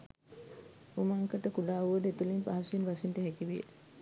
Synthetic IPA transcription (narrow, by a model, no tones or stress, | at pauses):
umaŋkəʈəkuɖaːuʋəd̪et̪ulimpaɦasinʋasinʈəɦɛkiʋijḛ